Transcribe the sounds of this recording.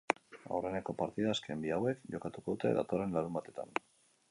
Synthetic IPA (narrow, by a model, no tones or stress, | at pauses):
a̰wre̞ne̞ko̞paɾt̪iðaːske̞mbiawe̞kʝo̞kat̪uko̞ðut̪e̞̰ða̰t̪o̞re̞nlaðumbat̪e̞t̪a̰n